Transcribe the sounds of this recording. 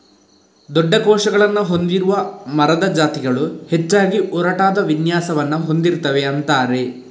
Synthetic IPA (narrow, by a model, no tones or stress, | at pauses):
d̪ɔɖːɐkɔːʂɐɡɐɭɐnːuɦo̞nd̪iɾuʋɐmɐɾɐd̪ɐd͡ʒaːt̪iɡɐɭuhet͡ʃːaːɡiʔɔɾɐʈaːd̪ɐʋinjaːsɐʋɐnːuɦond̪iɾut̪ːɐʋeɐnt̪aːɾe̞